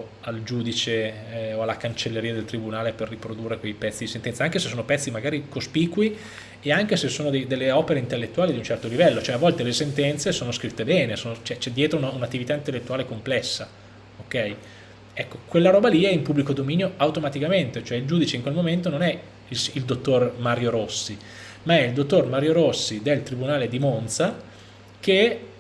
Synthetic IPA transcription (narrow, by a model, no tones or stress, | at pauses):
ald͡ʒuːd̪it͡ʃe | oalːakant͡ʃelːeɾiːad̪elt̪ɾibunaːleperːipɾod̪urːekwejpɛt̪sːid̪isent̪ɛnaaŋkesesːoːnopɛt̪sːimaɡaːɾikospikwi | eaŋkesesːoːnod̪ejd̪elːeɔpeɾeint̪elːet̪ːuaːlid̪unt͡ʃɛrt̪olivɛlːot͡ʃoɛavːɔlt̪elesent̪ɛnt̪sesoːnoskɾit̪ːebɛːnesoːnot͡ʃɛt͡ʃɛd̪ːjɛːt̪ɾounaunat̪ːivit̪aint̪elːet̪ːuaːlekomplɛsːa | okːɛj | ɛkːokwelːaɾɔːbaliɛimpubːlikod̪omiːnjoawt̪omat̪ikament̪et͡ʃoɛild͡ʒuːd̪it͡ʃeiŋkwelmoment̪ononɛ | iild̪ot̪ːormaɾjoɾosːi | maɛild̪ot̪ːormaɾjoɾosːid̪elt̪ɾibunaːled̪imont̪sa | k̟e